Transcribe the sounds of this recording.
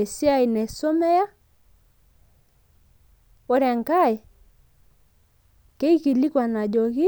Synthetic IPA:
e˨si˦a˦i˨nɛ˨sɔ˦mɛ˦ja˦ | ɔ˦ɾja˨ŋka˦˨e˨ | ke˦i˦ɣi˨li˦kwa˨na˨d͡ʒɔ˨ɣi˦

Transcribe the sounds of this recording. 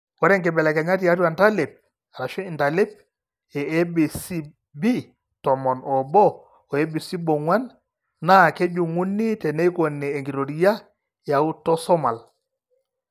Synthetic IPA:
wɔ˦ɾɛ˦ŋkɛ˨bɛ˨lɛ˨kɛ˨ŋa˦t̬i˨ja˦tjwa˨nta˦le˨p̚ | a˨ɾa˨ʃɔ˦i˨nta˨le˦p̚ | ɛ˨ɛ˦bi˨si˦ | bi˦ | tɔ˨mɔ˨nɔ˨bɔ˦ | ɔ˨e˦bi˨si˦bɔ˨ŋwa˦nː | a˦˨ke˦ɟu˨ŋu˦nːi˦tɛ˨ne˦jkɔ˨nːɛː˨ŋɡi˨ɾo˨ɾi˦ja˦ | ja˨u˦tɔ˦sɔ˦ma˨l

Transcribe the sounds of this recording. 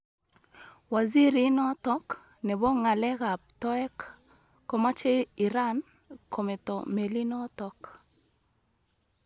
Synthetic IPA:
wa˨zi˦ɾi˦nɔ˦tɔ˦k | nɛ˨bɔ˦ŋa˨lɛ˦ɣa˨p̚tɔ˦ɛ˦kː | ɔ˨ma˦t͡ʃe˦i˨ɾa˦n | kʰɔ˨mɛ˨tɔ̰˨me˨li˦nɔ˦tɔ˦k

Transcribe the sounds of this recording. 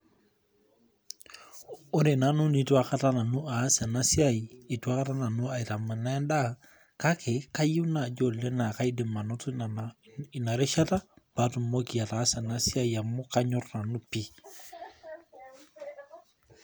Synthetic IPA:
ʊ˦ɾe˨na˨˦nu˦ni˨˦twa˦ka˦ta˦na˨nu˦a˨˦sɛ˨na˦si˦a˦˨i˨i˨tu˦a˦ka˦ta˦na˨nu˦a˨i˨ta˨ma˨na˦nda˦ | ka˦kʰe˨ka˦ji˦na˨d͡ʒo˦˨lːɛ˦na˨ka˦i˦de˨ma˨no˦tai˨na˨ɾe˦ʃa˦ta˦b̥a˨˦tu˨mːo˦ki˨a˨ta˨˦sɛ˨na˦si˦a˦ja˨mːʊ˦ka˦ɲɔ˦rna˨nu˦pi˦

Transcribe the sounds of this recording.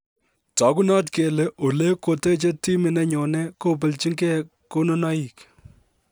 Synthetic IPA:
tɔ˨˦ku˦nɔ˦tke˨le˨ʔo˨le˦ko˨te˦t͡ʃe˦ti˦mɪ˨nɛ˦ɲɔ˨ne˦ko˦p̬ɪ˨lt͡ʃi˦ŋɡɛ˦ | ko˦no˦nɔ˦i˨k

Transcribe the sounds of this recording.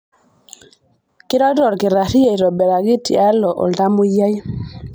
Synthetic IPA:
kɪ˦ɾɔ˦dɔ˨ɾkɪ˨ɾa˨ʃi˦ja˦˨i˨ɾɔ˨bɛ˨ɾa˨ɡi˦ti˨a˦lɔ˨ʔɔ̰˨lta˦mʊ˦ja˦j

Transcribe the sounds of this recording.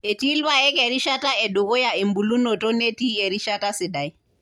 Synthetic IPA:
ɛ˨ti˦lβa˦ɛ˦kɛ˨ɾi˦ʃa˦ta˦ɛ˨ɗu˨kɔ˦ja˨e˨mbu˨lu˦nɔ˨tɔ˦ne˦ti˦ɛ˨ɾi˦ʃa˦ta˦si˨da˨j

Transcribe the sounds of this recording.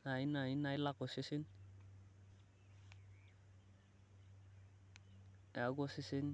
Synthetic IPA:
a˨i˦na˨i˦na˨i˦la˦ko˨si˦si˦n | ja˨˦ɡo˦si˦si˦n

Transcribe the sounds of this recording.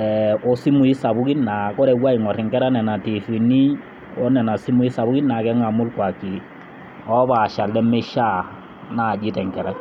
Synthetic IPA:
ɛɔ˨si˦mu˨i˦sa˨bʊ˦ki˦nna˨kɔ˦ɾɛ˨wa˦i˨ŋɔ˨rɪ˨ŋkɛ˦ɾa˦nɛ˨na˨ti˨fi˨ni˦ | ɔ˦nɛ˨na˨si˦mu˨i˦sa˨bʊ˦ki˦nna˨kɛ˦ŋa˨mʊ˦lkwa˨ki˨ | ɔ˦ba˨ʃa˨lɛ˦me˦ʃa˦˨ | na˨d͡ʒɪ˦tɛ˨ŋkɛ˨ɾa˦

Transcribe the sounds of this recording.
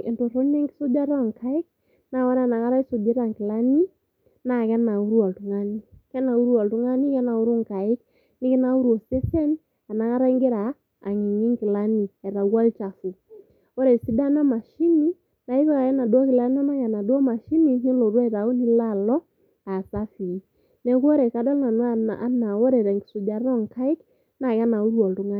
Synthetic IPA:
e˨nto˨ɾo˦ɲɛ˦ŋɡɪ˦so˦ba˦ɾɔ˦˨ŋka˨˦ɪ˦k̚ | na˦˨wa˦ɾa˦˨na˨ŋa˦ɾa˦i˦so˨be˦ɾa˨ŋkɪ˨la˦ni˦ | na˨kɛ˦na˨u˦ɾu˦a˨ltu˨ŋa˦ni˦kɛ˦na˨u˦ɾu˦a˨ltu˦ŋa˦ni˦kɛ˦na˨u˦ɾu˦ŋ˨ka˨ɪ˦k | nɪ˦kɪ˦na˦u˦ɾo˨se˦sɛ˦n | a˨na˨ŋa˦ɾa˦i˦ŋɡe˦ɾaː˨ | ŋi˨ŋi˦ŋkɪ˨la˦ni˨ɛ˨ɾa˨wa˦lt͡ʃa˨fu˨ | ɔ˦ɾɛ˨si˦da˦na˦ma˨ʃi˦ni˦ | na˨i˦βa˦ka˨kɛ˦na˨dɔ˦kɪ˨la˦ni˦a˦na˦kɛ˨na˨dwɔ˦ma˨ʃi˦ni˦ŋi˦lɔ˨ɾwɔ˦i˨ɾa˨u˦ni˦la˦˨lɔ˦ | a˨sa˦fi˨˦ | nɛ˨ku˦ɔ˦ɾɛ˨ka˨dɔ˦lna˨nwa˦˨a˦na˨wɔ˦ɾɛ˨ɾa˨ŋɡi˨su˨d͡ʒa˨˦ɔ˦ŋ˨ka˦ɪ˦k | na˨kɛ˦na˨u˦ɾu˦ɔ˨ltu˨ŋa˦

